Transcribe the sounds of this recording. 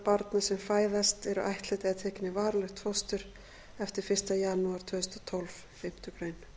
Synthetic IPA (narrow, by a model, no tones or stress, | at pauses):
paɾt̪nasɛmfaːjðast̪ɛɾʏʔajht̪lɛt̪ɪat̪ʰɛːcɪnɪvaːɾlɛxt̪fɔwst̪ʏɾ̥ | ɛft̪ɪɾ̥fɪrst̪ajaːnuaɾ̥t̪ʰvœːðʏst̪ɔt̪ʰɔlv | fɪm̥t̪ʏkɾejn